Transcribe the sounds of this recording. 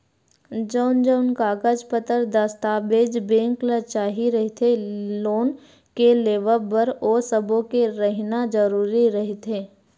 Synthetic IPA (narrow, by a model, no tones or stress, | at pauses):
d͡ʒɔːnd͡ʒoːnkaːɡəd͡ʒpət̪əɾd̪ɐst̪aːbeːd͡ʒbẽːŋklət͡ʃaːɦiɾəɦt̪ʰeloːn | keleːʋəlbəɾoːsəbõkeɾəɦnad͡ʒəɾuːɾiɾɐɦet̪eː